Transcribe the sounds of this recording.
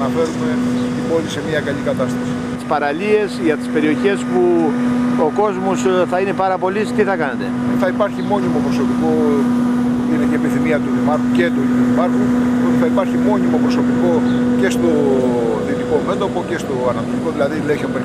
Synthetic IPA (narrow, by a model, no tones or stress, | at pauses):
nɐfe̞ɾume̞t̪ibo̞lise̞miɐkɐlʎikɐt̪ɐst̪ɐsi | t̪i̥spɐɾɐʎie̞sʝɐt̪i̥spe̞ɾio̞çe̞spu | oko̞zmo̞sθɐine̞pɐɾɐpo̞list̪iθɐkɐne̞t̪e̞θɐipɐɾçimo̞ɲimopɾo̞so̞piko | inecepiθimiɐt̪uimɐɾxucet̪uuipɐɾxunoθɐipɐɾçimo̞ɲimo̞pɾo̞sopiko̞ce̞st̪o̞θit̪ikomend̪o̞po̞ce̞st̪o̞ɐnɐt̪oliko̞ðilɐðileçope